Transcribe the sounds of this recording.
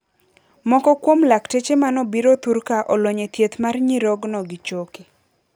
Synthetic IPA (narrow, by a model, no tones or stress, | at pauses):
mɔkɔkwomlaktet͡ʃemanɔbiɾot̪uɾkaʔɔlwoɲet̪jet̪marɲiɾɔɡnɔɡit͡ʃoki